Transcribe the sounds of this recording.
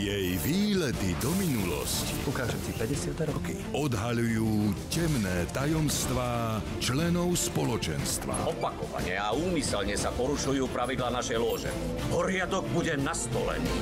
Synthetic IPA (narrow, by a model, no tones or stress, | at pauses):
jɛjʋiːlɛt̪id̪ɔminulɔ̰scḭukaːʒɛmsipɛɟɛsɪat̪ɛɾɔki | ɔd̪ɦaʎujuːcɛmnɛːt̪ajɔmst̪ʋaː | t͡ʃlɛnɔʊspɔlɔt͡ʃɛ̰nst̪ʋa̰ɔpakɔʋa̰ɲɛauːmisɛlɲɛsapɔɾuʃujuːpɾaʋid̪laːnaʃɛjlʊɔʒɛ̰ | ɦɔɾɪad̪ɔɡ̚buɟɛnast̪ɔlɛ̰ɲḭ